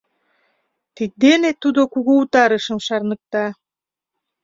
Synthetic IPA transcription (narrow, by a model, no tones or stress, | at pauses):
t̪it̪̚d̪enet̪ːud̪okuɣuut̪ɑɾəʃə̆mʃɑrnɤ̆k̚t̪ɑ